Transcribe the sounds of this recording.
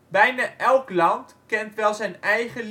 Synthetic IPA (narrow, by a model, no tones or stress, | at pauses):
bɛjnaʔɛlˠklɑnt | kɛntʋɛlˠzɛjnɛjχəl